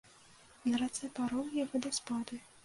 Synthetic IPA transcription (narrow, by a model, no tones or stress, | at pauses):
nɐɾat̪sɛpaɾɔwjavɔd̪ɐspad̪ɨ